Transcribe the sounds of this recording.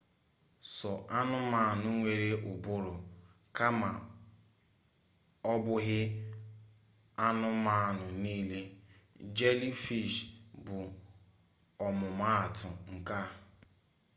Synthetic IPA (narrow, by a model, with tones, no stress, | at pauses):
sɔ˨ʔa˦nʊ˦ma˦˨nʊ˦ŋʷe˨ɾe˦ʔʊ˨bʊ˦ɾʊ˨ | ka˦ma˨ | ɔ˦bʊ˦ɦɪ˦ | a˦nʊ˦ma˦˨nʊ˨niː˦le˦d͡ʒe˦li˦fi˦˨ʃbʊ˨ | ɔ˨mʊ˨ma˦a˨tʊ˨ŋ̩˨ka˦